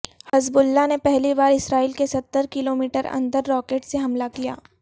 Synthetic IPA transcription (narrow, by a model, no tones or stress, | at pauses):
hɐzbʊlːanepɛɦlibaːɾɪsɾaːiːlkesɐt̪ːəɾkɪloːmiːʈəɾɐ̰̃nd̪əɾːɔːkeːʈseɦɐmlakija̰ː